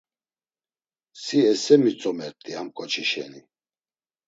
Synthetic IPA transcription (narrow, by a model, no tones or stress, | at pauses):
siɛsɛmit͡sʼɔmɛɾt̪ʼiamkʼɔt͡ʃʰiʃɛ̰ni